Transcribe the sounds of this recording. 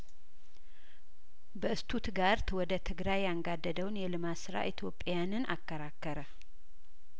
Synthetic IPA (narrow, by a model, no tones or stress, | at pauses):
bəɨst̪ʰut̪ɡaɾt̪wɔd̪ət̪ʰɨɡɾajːaŋɡad̪ːəd̪əwnjɛlɨmasɨɾa̰ʔit̪ʰjo̞pʼːjanɨnʔa̰kːəɾakːəɾə